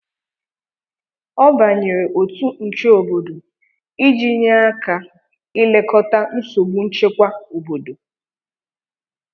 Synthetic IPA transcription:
ɔ˦ba˨ɲe˨ɾe˨ʔo˨tu˦n̩˨t͡ʃe˦o˨bo˨do˨ | i˦d͡ʒi˦ɲa˦a˦ka˨ | ɪ˦le˦kɔ˦ta˦n̩˦so˨ɡ͡bu˦n̩˦t͡ʃe˦kʷa˦o˨bo˨do˨

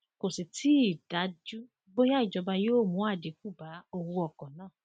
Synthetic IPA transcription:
ko˨si˨tʰi˦i˦˨d̥a˨˦d͡ʒu˦ | bo˦ja˦i˦˨d͡ʒɔ˧ba˧jo˦˨mũ˨˦a˦˨de˨˦ku˦˨ba˨˦o˧wũ˧ɔ˨kɔ̃˨nãː˦˨

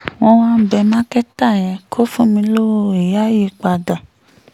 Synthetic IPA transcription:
w̃ɔ̃˧wã˦bɛ˧mã˦kɛ˦ta˦˨j̃ɛ̃˨kʰo˦fũ˦mĩ˧lo˦wo˦˨e˨ja˦ji˦˨k͡pa˨˧dã˨

